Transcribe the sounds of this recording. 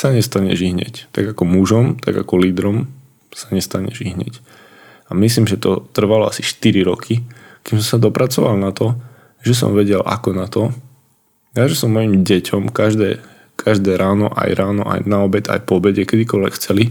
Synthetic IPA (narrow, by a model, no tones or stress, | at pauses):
saɲɛst̪aɲɛ̰ʒiɦɲɛ̰ct̪aɡakɔmuʒɔmt̪a̰ɡa̰kɔliːd̪ɾɔm | saɲɛst̪aɲɛ̰ʒiɦɲɛ̰c | amis̬liːmʒɛt̪ɔt̪r̩ʋalɔasiʃt̪iɾiɾɔkʰikimsɔmsad̪ɔpɾat͡sɔʋalnat̪ɔ | ʒɛs̬ɔ̰mʋɛɟɛla̰kɔnat̪ɔ | jaʒɛsɔmːɔjimɟɛcʰɔmkaʒd̪ɛː | kʰaʒd̪ɛːɾʔaːnɔʔa̰jɾʔaːnɔ̰ʔa̰jnaɔbɛt̪a̰jpɔbɛɟɛkɛd̪ikɔlʋɛ̰kxt͡sɛli